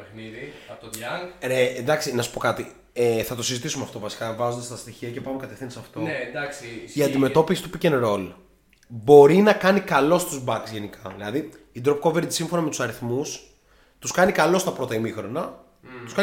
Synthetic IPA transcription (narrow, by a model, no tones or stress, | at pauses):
pniðit̪ɐɾend̪ɐksinɐsu̥po̞kɐt̪i | eθɐt̪o̞sizit̪isumeɐft̪ovɐsi̥kɐvɐzo̞nd̪est̪ɐst̪içiɐcepɐumekɐt̪efθind̪esɐft̪o̞d̪ɐksiiɐnd̪ime̞t̪o̞pisi̥t̪upicenɾo̞l | bo̞ɾinɐkɐnikɐlo̞st̪uzbɐksʝe̞nikɐðilɐðiː | d̪ɾop̚koveɾt̪i̥sĩɱfo̞nɐme̞t̪u̥sɐɾiθmus | t̪uskɐnikɐlo̞st̪ɐpɾo̞t̪ɐimixɾo̞nɐ | t̪uskɐ